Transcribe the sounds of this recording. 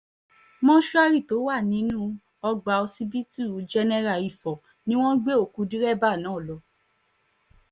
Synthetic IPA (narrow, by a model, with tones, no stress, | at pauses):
mɔ̃˦ʃu˦a˦˧ɾi˦˨to˨˦wa˦˨nĩ˨˦nũː˦ | ɔ˧ɡ͡ba˨˧o˧si˧bi˦tu˦˨d͡ʒɛ˧nɛ˧ɾa˨i˨fɔ˨ | nĩ˦w̃ɔ̃˦ɡ͡be˦o˦˨ku˨˧˦dĩ˦ɾɛ˦˨ba˦˨nãː˨˦˨lɔ˨˦